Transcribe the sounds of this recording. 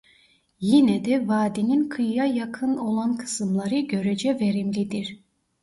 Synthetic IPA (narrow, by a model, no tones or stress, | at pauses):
jinɛd̪ɛvaːd̪ininkʰɯjːajakʰɯno̞lˠankʰɯ̥sɯmlˠaɾɯɟø̞ɾed͡ʒɛveɾimlʲid̪iɾ̥